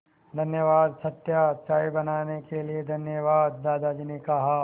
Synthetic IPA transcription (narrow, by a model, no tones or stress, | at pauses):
d̪ʱɐnjəʋaːd̪sɐt̪jat̪t͡ʃaːibɐnaːnekelied̪ʱɐnjəʋaːd̪̚ːaːd̪aːd͡ʒinikaɦa